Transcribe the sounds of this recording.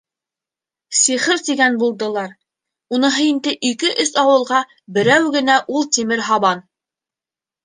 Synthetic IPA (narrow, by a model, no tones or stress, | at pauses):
siχɘɾt̪iɡænbulˠd̪ɤ̆lˠɑɾ | unɤɦɤ̆jɘ̆nd̪ɘʔikɘʔɵsɑwɤ̆lˠʁɑ | bɘ̆ɾæwɡɘ̆næʔulˠt̪imɘɾɦɑβɑn